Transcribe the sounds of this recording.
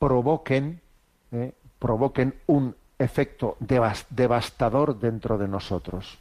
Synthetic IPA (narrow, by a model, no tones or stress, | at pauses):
pɾoβokeŋ | epɾoβ̞okenuŋ | efek̚t̪odeβasd̪eβ̞ast̪aðoɾðent̪ɾoð̞enosot̪ɾos